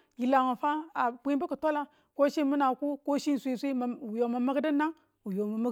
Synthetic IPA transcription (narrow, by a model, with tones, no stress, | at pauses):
ɡi˨la˨ŋa˨fa˦a˨bʷi˦bə˦ku˨to˦la˦ | ko˦ʃi˦˨mu˦na˨ku˦ko˦ʃi˦n˨sʷi˦˨sʷi˦˨u˨jo˨ma˨ma˦ɡdə˦na˦ŋ | wu˨jo˨ma˨ma˦ɡ